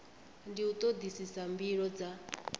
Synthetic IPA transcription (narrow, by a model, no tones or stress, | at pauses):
ndiut̪ʼod̪isisambiɺɔd͡za